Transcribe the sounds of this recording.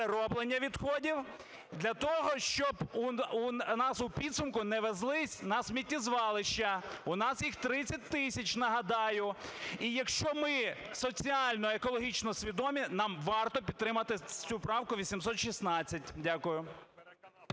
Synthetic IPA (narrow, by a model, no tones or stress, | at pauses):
eɾɔblˠenʲːɐʋʲid̪xɔdʲiw | d̪lʲɐt̪ɔɦɔʃt͡ʃɔbuunɑsʊpʲid̪sʊmkʊnɛʋezlˠɪsʲnɐsmʲitʲːizʋɑlˠɪʃt͡ʃɐʊnɑsjixt̪ɾɪt͡sʲːɐt̚ʲt̪ɪsʲɐt͡ʃnɐɦɐd̪ɑjʊijɐkʃt͡ʃɔmɪ | sɔt͡sʲiɑlʲnɔekɔlˠɔɦʲit͡ʃnɔsʲʋʲid̪ɔmʲinɑmʋɑrt̪ɔpʲid̪̚ɾɪmɐt̪ɪt͡sʲupɾɑwkʊʋʲisʲimsɔt̪ʃisnɑt͡sʲːɐt̚ʲdʲakʊjʊ